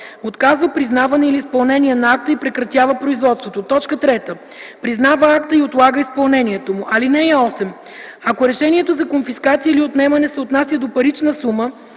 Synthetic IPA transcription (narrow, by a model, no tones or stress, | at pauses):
ot̪kazvəpɾiznavɐnɛiliːspɐlˠnɛnʲiɛnɐak̚t̪əipɾɛkɾɐt̪ʲjavəpɾoizvɔt̪st̪vot̪ot̪ɔt͡ʃkət̪ɾɛt̪ə | pɾiznavəakt̪əiot̪lˠaɡəispɐlˠnɛnʲiɛt̪omʊʔɐlinɛɛɔsɛm | ɐkoɾɛʃɛniɛt̪ozɐkonfiskat̪sijəiliot̪nɛmɐnɛsɛot̪nasjəd̪opɐɾit͡ʃnəsumə